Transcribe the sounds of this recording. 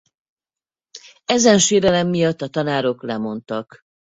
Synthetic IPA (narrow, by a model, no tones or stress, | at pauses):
ɛzɛnʃeːɾɛlɛmːijɒt̪ːɒt̪ɒnaːɾo̞klɛmo̞nt̪ɒk